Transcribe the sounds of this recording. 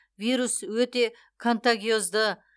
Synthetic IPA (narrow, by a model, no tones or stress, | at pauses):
vijɾuswɵt̪e̞ | kʰont̪aɡʲijo̞zd̪ə